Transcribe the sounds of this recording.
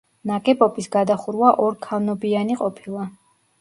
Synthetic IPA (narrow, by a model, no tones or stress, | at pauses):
nakʼɛpʼɔpʼisɡad̪aχuɾwaʔɔɾkʰavnɔbianiqʼɔpʰilˠa